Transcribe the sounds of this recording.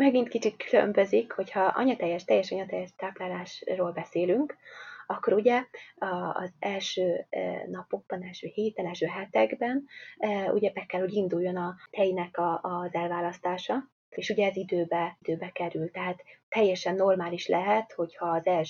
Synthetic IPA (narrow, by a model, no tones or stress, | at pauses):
mɛɡint̪kit͡ʃikkylø̰mbø̞zikho̞chɒʔɒ̰ɲɒt̪ɛjːɛʃt̪ɛjːɛʃɒɲɒt̪ɛjːɛʃt̪aːplaːlaːʃroːlbɛseːlyŋkɒkːoɾuɟɛɒ̰ːzɛlʃøːnɒpo̞ɡ̚bɒnɛlʃøːheːt̪ɛnɛlʃøːɦɛt̪ɛɡbɛnṵɟɛbɛkːɛlho̞ɟind̪ujːo̞nɒt̪ɛjnɛkɒzɛlvaːlɒst̪aːʃɒ | eːʃuɟɛzid̪øːbɛid̪̥øːbɛkɛɾylt̪ɛɦaːt̪ːɛjːɛʃɛnːo̞rmaːliʃlʔɛɦɛt̪ho̞chɒːzɛlʃ